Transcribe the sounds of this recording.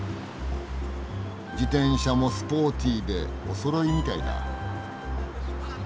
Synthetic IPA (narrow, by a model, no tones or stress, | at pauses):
d͡ʑit̪ẽ̞ɰ̃ɕamo̞sɨ̥po̞ːt̪ʲid̪e̞oso̞ɾo̞imʲit̪aid̪a̰